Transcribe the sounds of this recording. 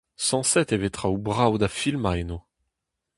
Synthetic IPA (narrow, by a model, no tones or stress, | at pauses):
sɑ̃sɛt̪evɛt̪χaubʁawd̪afilmajno